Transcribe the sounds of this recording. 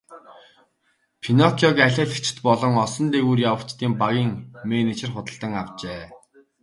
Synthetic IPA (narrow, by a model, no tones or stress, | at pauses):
pʰinɔkʰiɔkæɮʲæːɮɘ̆kt͡ɕʰɪ̥̆t̪pɔɮɞ̆ŋɔsɞ̆nt̪eɣuːrjawə̆kt͡ɕt̪iːmpaɣʲiːŋmenet͡ɕɪ̆rχʊt̪ə̆ɬt̪ə̆ŋawt͡ɕeː